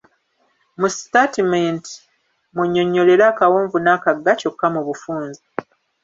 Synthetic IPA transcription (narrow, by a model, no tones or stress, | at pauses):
mustatimenti̥ | muɲːo̞ɲːo̞lelaːkawoːɱvunaːkaɡːaco̞kːamuβufuːnzi